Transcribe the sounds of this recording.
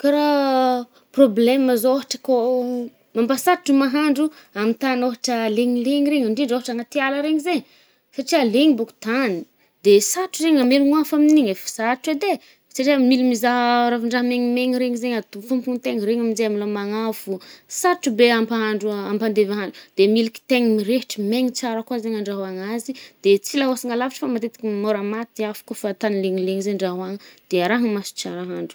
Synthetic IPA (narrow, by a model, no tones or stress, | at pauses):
kaɾa | probleməzooɦaʈ͡ʂəko | mambasaʈ͡ʂumaɦaɳɖ͡ʐu | amit̪anoɦaʈ͡ʂəleɲileɲiɾeɲaɳɖ͡ʐiɳɖ͡ʐoɦaʈ͡ʂaŋat̪ialəɾeɲizeɲ | saʈ͡ʂialeŋibuku̥t̪ani̥ | d̪esaʈ͡ʂureɲameluŋafaminiɲefi̥saʈ͡ʂwed̪e | saʈ͡ʂiamilimizaɦɾafiɳɖ͡ʐaɦmeŋimeŋiɾeŋizeɲat̪ufumpunt̪eŋɾeŋamizeamilamaŋafusaʈ͡ʂubeampaɦaɳɖ͡ʐuampand̪evaɦaɳɖ͡ʐud̪̥emiliki̥t̪eŋimiɾeʈ͡ʂimeŋit͡saɾəkwazeɲaɳɖ͡ʐaɦwaŋazid̪̥et͡silaɦosiŋalavaʈ͡ʂə̥famat̪et̪i̥kʲimoɾamat̪iafḁkofat̪anileŋileŋizeɳɖ͡ʐaɦwaŋəd̪̥eaɾaɦəmasi̥t͡ʃa̰ɾaɦaɳɖ͡ʐu̥